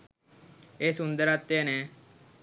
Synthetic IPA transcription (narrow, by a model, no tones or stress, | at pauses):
eːsʊ̃nd̪əɾat̪ːeːneː